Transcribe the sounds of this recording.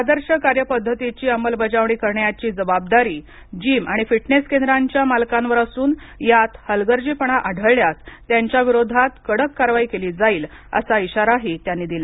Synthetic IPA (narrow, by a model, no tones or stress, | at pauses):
ad̪əɾɕəkaɾjəpəd̪ʱːət̪it͡ɕiːəməlbəd͡ʑaʋɳ̃iːkəɾɳjat͡ɕiːd͡zəbab̚d̪aɾiː | d͡ʑiːmaɽ̃ifiʈneskend̪əɾaɲt͡ɕjamalkãnʋəɾəsuːn | jat̪həlɡəɾd͡ʑiːpəɳ̃aʔaɖʱəɭːjast̪ːjaɲt͡ɕjaʋiɾod̪ʱat̪kəɽəkːaɾʋaiːkeliːd͡zaiːl | ə̰saiɕaɾaɦet̪janːiːd̪ila